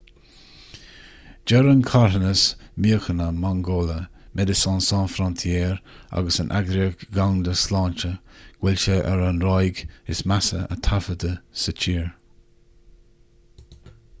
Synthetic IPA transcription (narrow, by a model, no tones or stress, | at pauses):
d͡ʒɛɾənkʰaɹənəsmiəxənəmaŋɡoːləmʔɛd̪əsɑnsɑ̃ːnfɾɔnt̪ʰiɛːɹa̰ɡəsənʔa̰ɡɾiəkɡawnd̪əslɑːnt͡ʃəɡ̥wɪlʃeʔɛɾanɾajɡɪsmasə̰ə̰t̪ʰafəd̪əsət͡ʃʰiːɹ